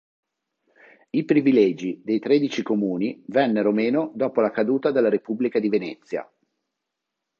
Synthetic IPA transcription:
ipɾivilɛːd͡ʒid̪ejt̪ɾed̪it͡ʃikomuːnivɛnːeɾomeːnod̪ɔːpolakad̪uːt̪ad̪elːaɾepublikad̪ivenɛt̪sːja̰

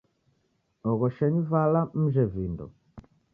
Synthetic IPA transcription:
ɔɣɔʃɛɲivalam̩ʒɛvindɔ̰

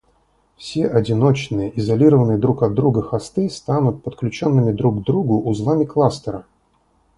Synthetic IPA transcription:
fsʲeʔɐdʲɪnot͡ɕnɨjəʔɪzɐlʲiɾəvənɨjəd̪ɾukɐd̪ːɾuɡəxast̪ɨst̪anʊt̪̚pət̪klʲʉt͡ɕonːɨmʲɪd̪ɾuɡd̪ɾuɡʊʔːzlˠamʲɪklˠast̪əɾə

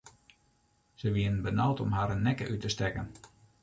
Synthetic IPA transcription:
z̥əʋiənənbənawtʰɔmɦaːɾənːɛkə̰ʔytəstɛkən

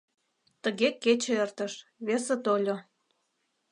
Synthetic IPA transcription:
t̪əɣeket͡ɕĕert̪əʃβeset̪olʲo

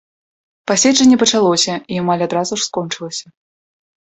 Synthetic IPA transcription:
pasʲɛt͡ʂɛnʲːɛpɐt͡ʂalˠɔsʲɐiamalʲad̪ɾazuʂskɔnt͡ʂɨlˠɐsʲɐ

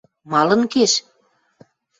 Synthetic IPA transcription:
mɑlə̆nkeʃ

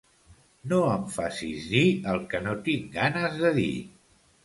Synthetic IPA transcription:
noəmfasizðiəlˠkənot̪iŋɡanəzðəðḭ

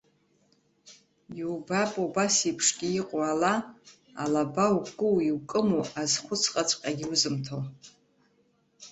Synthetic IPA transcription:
iubapʼobasipʰʂɡʲiiqʼoala | a̰labawkʼɨwiwkʼɨmuazχʷʊt͡sʰqʼat͡ʃʷʰʼqʲʼaɡʲɪwʊzɨmtʰo

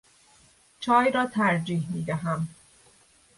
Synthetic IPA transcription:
t͡ʃʰɒːjɾɒːt̪ʰæɾd͡ʒiːhmiːd̪æɦæm

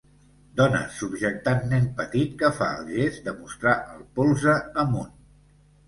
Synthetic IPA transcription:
d̪ɔnə̰subʒək̚t̪anːɛnpət̪it̪kəfa̰əlˠʒezd̪əmust̪ɾaʔəlˠpolˠzəːmun

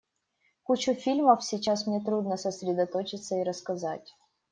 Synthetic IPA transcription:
kut͡ɕʊfʲilʲməfsʲɪt͡ɕasmnʲe̞t̪ɾud̪nəsəsʲɾʲɪd̪ɐt̪o̞t͡ɕɪt̪səiɾəskɐzatʲ

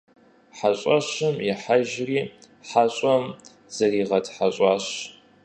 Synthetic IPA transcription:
ħaɕʼɐɕɨmjɪħaʒriː | ħaɕʼɔm | z̥ɐriːʁɐtʰħaɕʼɑːɕ

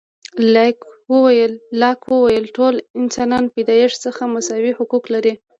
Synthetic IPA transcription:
lakwəwajəlːɑkwəwajəlʈolɪnsɑnɑnped̪ɑjeʂsəxamʊsɑwihʊkuklaɾi

